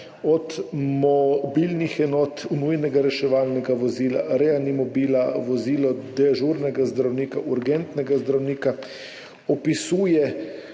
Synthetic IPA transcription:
ɔt̪mɔbilnixɛnɔːt̪nujnɛɡaɾɛʃɛʋaːlnɛɡaʋɔziːla̰ɾɛanimɔbiːlaʋɔziːlɔd̪ɛʒuɾnɛɡazd̪ɾawniːkaʔuɾɡɛnt̪nɛɡazd̪ɾawniːka | ɔpisuːjɛ

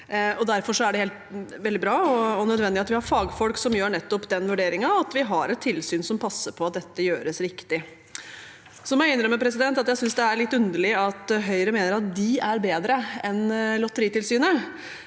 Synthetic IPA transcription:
ɔd̪æɾfɔʂɔæɖɛheːlt̪ʋɛld̪ɪbɾɑːɔɔnœd̪ʋɛnd̪ɪɑt̪ʋɪhɑɾfɑːɡfɔlksɔmjøːɳɛt̪ːɔpd̪ɛnʋʉɖeːɾɪŋɑɑt̪ʋɪɦɑɾɛt̪ʰːɪlsyːnsɔmpʰɑsːəɾpʰɔɑt̪̚d̪ɛt̪ːəjøːɾəsɾɪkt̪ɪ | sɔmæɪɪnɾəmːəpʰɾɛsɪd̪ɛnt̪ɑt̪jæɪsʏnsd̪ɛæɭɪt̪ːʉnd̪əɭɪɑt̪ɦœʏɾəmeːnəɾɑt̪̚d̪ɪæɾbeːd̪ɾəɛnlɔt̪ːəɾiːt̪ɪlsyːnə

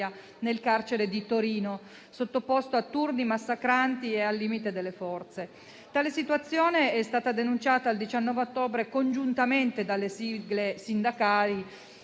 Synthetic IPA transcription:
a | nelkart͡ʃeɾed̪it̪oɾiːno | sot̪ːopost̪oat̪ːurnimasːakɾant̪iealːiːmit̪ed̪elːefɔrt̪se | t̪aːlesit̪uat̪sːjoːneɛst̪aːt̪ad̪enunt͡ʃaːt̪aːld̪it͡ʃanːɔːveot̪ːoːbɾekond͡ʒunt̪ament̪ed̪alːesiɡlesind̪akaːli

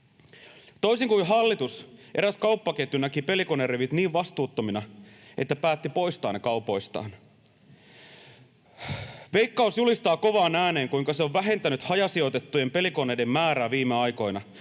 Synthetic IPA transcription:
t̪o̞isiŋkujɦɑlːit̪usʔeɾæskɑupːɑket̪ːynækipe̞likonereʋit̪niːʋʋɑst̪uːt̪ːominɑʔet̪ːæpæːt̪ːipo̞jst̪ɑːnːekɑupo̞ist̪ɑ̰ːn | ʋe̞jkːɑusjulist̪ɑːko̞ʋɑːnæːne̞ːŋkuiŋkɑseo̞ʋʋæɦe̞nt̪ænyt̪hɑjɑsio̞t̪e̞t̪ːujempe̞likonejde̞mːæːɾæːʋiːmːeɑjko̞jnɑ

